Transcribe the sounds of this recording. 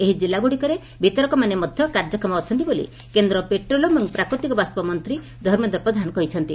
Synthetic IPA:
eɦid͡ʒilaɡuɽikɔɾe | bʱit̪ɔɾɔkɔmanemɔd̪ʱjɔkaɾd͡ʒɔkɾɔmɔːt͡ʃʰɔnt̪ibolḭ | kend̪ɾɔpeʈɾolɔbɔŋpɾakɾut̪ikɔbast̪ɔpɔmɔnt̪ɾi | d̪ʱɔɾmed̪ɔɾpɾɔd̪ʱanɔkɔɦit͡ʃʰɔnt̪i

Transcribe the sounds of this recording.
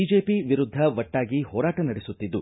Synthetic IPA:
id͡ʒe̞ːpiʋiɾud̪ʱːɐʋɐʈːaːɡiɦɔːɾaːʈɐnɐɽesut̪ːid̪ːu

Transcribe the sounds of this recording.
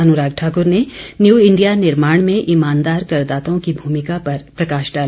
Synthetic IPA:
ɐnʊɾaːɡ̚ʈʰaːkʊɾnenjuːɪ̃ɳɖijanɪɾmaːɽ̃mẽʔɪmaːnd̪aːɾkɐɾd̪aːt̪õkibʱuːmɪkapɐɾpɾɐkaːʃɖaːl

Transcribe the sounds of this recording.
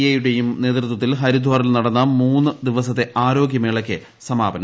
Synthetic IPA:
jejuɽe̞jumne̞ːt̪rɨt̪wɐt̪ːilɦɐɾud̪ʱʋaːɾilnɐɽɐnːɐmuːnːɨd̪iʋɐsɐt̪ːeʔaːɾo̞ːɡjɐmeːɭɐkʲːɨ | sɐmaːbɐnɐ

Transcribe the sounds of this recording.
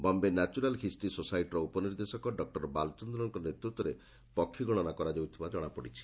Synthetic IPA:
bɔmbenat͡ʃuɾalkʰisʈisosajʈɾɔupɔniɾd̪esɔkɔɖɔk̚ʈɔɾbalt͡ʃɔnd̪ɾɔŋkɔnet̪ɾut̪ːɔɾe | pɔkʰːiɡɔɭ̃ɔnakɔɾad͡ʒawt̪ʰibad͡ʒɔɽ̃apɔɽit͡ʃʰi̥

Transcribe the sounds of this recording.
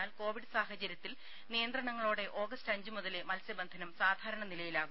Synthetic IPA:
aːlko̞ːʋiɽɨsaːɦɐt͡ɕɐɾjɐt̪ːil | nijɐnd̪ɾɐɳɐŋːɐɭoːɽe̞ʔo̞ːɡɐstɐɲd͡ʑumoðɐle̞mɐlsjɐbɐnd̪ʱɐnɐmsaːd̪ʱaːɾɐɳɐnilɐjilaːɣum

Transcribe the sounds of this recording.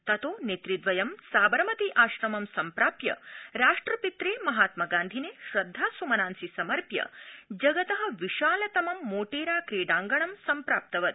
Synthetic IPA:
t̪ɐt̪oːnet̪ɾid̪ʋɐjɐmsaːbɐɾmɐt̪iʔaːʃɾɐmɐmsɐmpɾaːpjɐ̰ɾaːʂʈɾɐpit̪ɾeːmɐɦaːt̪mɐɡaːnd̪ʱineːʃɾɐd̪ʱːaːsumɐnaːnsisɐmɐɾpjɐ̰d͡ʒɐɡɐt̪ɐɦɐ̆ʋiʃaːlɐt̪ɐmɐmːoːʈeːɾaːkɾeːɖaːŋɡɐɳɐmsɐmpɾaːp̚t̪ɐʋɐt̪̚

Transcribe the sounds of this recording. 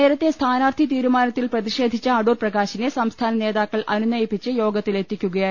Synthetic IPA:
e̞ːɾɐt̪ːest̪ʰaːnaːrt̪ʰit̪iːɾumaːnɐt̪ːilprɐðiʂe̞ːd̪ʱit͡ɕːɐɐɖuːrprɐɡaːɕinesɐmst̪ʰaːnɐne̞ːðaːkːɐɭʔɐnunɐjipːit͡ɕːɨjo̞ːɡɐt̪ːile̞t̪ːikʲːuɣɐjaː

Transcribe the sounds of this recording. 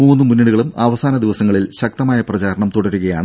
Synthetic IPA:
uːnːɨmunːiɽuɣɐɭumɐʋɐsaːnɐd̪iʋɐsɐŋːɐɭilɕɐk̚t̪ɐmaːjɐprɐt͡ɕaːɾɐɳɐmt̪uɽɐɾuɣɐja̰ːɳɨ

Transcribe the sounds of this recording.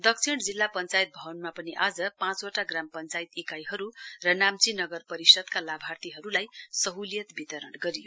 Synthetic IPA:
d̪ʌkt͡sʰiɽd͡zilːapʌnt͡sajit̪̚bʱʌʌnmapʌniʔad͡zʌpãt͡soʈaɡrampʌnt͡sajt̪ikajɦʌɾurʌnamt͡sinʌɡʌrpʌɾisʌd̪kalabʱart̪iɦʌɾulajsʌɦuljʌt̪bit̪ʌɾʌɳɡʌɾijo

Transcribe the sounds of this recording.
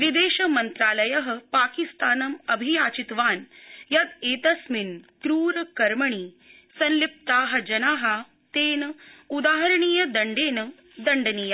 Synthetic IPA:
ʋid̪eːʃɐmɐnt̪ɾaːlɐjɐɦɐ̆paːkist̪aːnɐmɐbʱijaːt͡ʃit̪ʋaːnjɐd̪eːt̪ɐsmink̪ɾuːɾɐkɐɾmɐɳiː | sɐnlip̚t̪aːɦɐ̆d͡ʒɐnaːɦɐ | t̪eːnɐud̪aːɦɐɾɐɳiːjɐd̪ɐɳɖeːnɐ | d̪ɐɳɖɐniːjɐ

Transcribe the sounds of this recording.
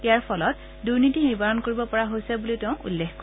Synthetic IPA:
tiaɹpʰɔlɔt | duɹnitinibaɹɔnkoɹibɔpɔɹaɦojsɛbulitɛʊ̃ʔṵlːexk

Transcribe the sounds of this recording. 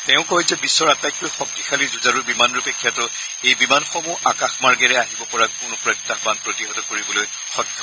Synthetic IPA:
tɛʊ̃kɔɦizɛbisːɔɹapajk̚tʊjxɔk̚tixʰalizuzaɹuɹbimanɹupekʰːjatɔ | ejbimanxɔmuʔakaxmaɹɡɛɹɛaɦibɔpɔɹakʊnʊpɹaktaxbanpɹotiɦɔtɔkoɹibɔloj | xɔkʰːɔ

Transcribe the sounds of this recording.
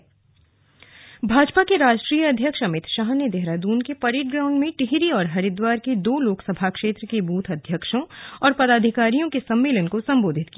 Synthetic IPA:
bʱaːd͡ʒpakeɾaːd͡ʒʈɾiːjəɐd̪ʱjəkʃɐmɪt̪ʃaːɦned̪eɦɾad̪uːnkepɐɾeːʈ̚ɡɾãːʊ̃ɳɖmẽʈɪɦɾiɔːɾɦɐɾɪd̪waːɾked̪oːloːksəbʱakʃeːt̪ɾəkebuːt̪ʰɐd̪ʱjəkʃõɔːɾpɐd̪aːd̪ʱɪkaːɾijõkesɐ̃mːeːlənkosɐ̃mboːd̪ʱɪt̪̚ki

